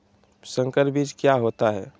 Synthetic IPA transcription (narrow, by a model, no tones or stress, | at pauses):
sə̃ŋkəɾbiːd͡ʒkjaɦot̪aɦɛː